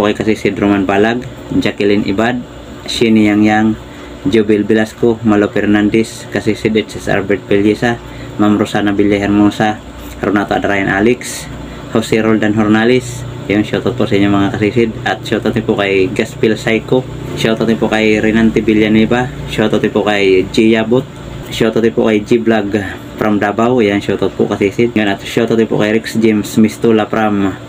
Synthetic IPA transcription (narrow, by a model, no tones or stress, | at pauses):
pokajkasisid̪romanbalaɡ | d͡ʒakilinʔḭbad̪̚ | ʃinijaŋjaŋ | d͡ʒobilbilaskomalopɛrnand̪ɛs | kasisid̪ɛt̪sɛsa̰lbɛɾt̪̚pɛlisa | mamɾosanabiljaɦɛrmunsa | ɾonat̪oa̰d̪ɾajanʔaliks | hosiɾold̪anɦɔrnalis | ijoŋʃiot̪ɔt̪̚pusiɲomaŋakasisid̪at̪ʃot̪ɔt̪ipukajɡaspilsajko | ʃjot̪ɔt̪ipukajɾinant̪ibiljanibaʃot̪ɔt̪ipukajd͡ʒijabut̪̚ | ʃot̪ɔt̪ipṵkajd͡ʒiblaɡ | pɾʔamdabawjaŋʃiot̪ɔt̪̚pṵʔkasisid̪̚ŋanat̪ʃot̪ɔt̪ipṵkajɾiksd͡ʒɛmsmist̪ulapɾʔam